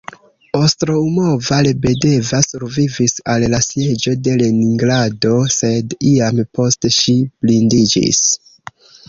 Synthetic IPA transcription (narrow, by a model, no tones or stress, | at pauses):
ostɾoumo̞valebe̞de̞vasuɾvivisallasje̞d͡ʒo̞de̞leniŋɡlado̞se̞diampo̞steʃib̥lindid͡ʒḭs